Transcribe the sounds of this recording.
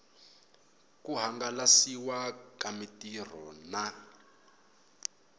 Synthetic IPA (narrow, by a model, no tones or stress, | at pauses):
kuɦaŋɡalasiwakamitir̤ɔna